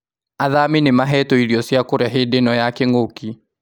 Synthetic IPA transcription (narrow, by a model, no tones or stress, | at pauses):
aðaminemaɦɛtɔiɾiɔsjakoɾaɦedenɔjakeŋoki